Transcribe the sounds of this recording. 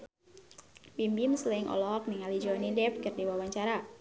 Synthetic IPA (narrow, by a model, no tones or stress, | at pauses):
bimbimslɛŋʔɔ̰lɔɦɔk̚niŋalid͡ʒɔnidɛp̚kɨrdiwawaɲt͡ʃaɾa